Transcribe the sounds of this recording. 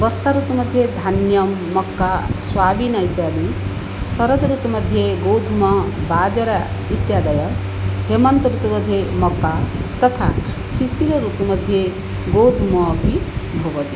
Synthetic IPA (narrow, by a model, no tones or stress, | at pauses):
bʌɾsaɾut̪mʌd̪ʱjed̪ʱanjʌmːʌkːaswabinʌit̪jad̪i | sʌɾʌd̪ɾut̪mʌd̪ʱjeɡowd̪ʱumʌbad͡zʌɾait̪jad̪ʌjʌ | ɦemʌnt̪ɾut̪umʌd̪ʱjemʌkːat̪ʌt̪ʰasisiɾʌɾupmʌd̪ʱje | ɡod̪ʱumʌbʱibʱʌʋʌt̪i